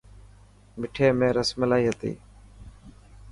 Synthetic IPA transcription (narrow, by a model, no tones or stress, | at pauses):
mɪʈʰeːmẽːɾəsməlaːiːɦət̪ḭː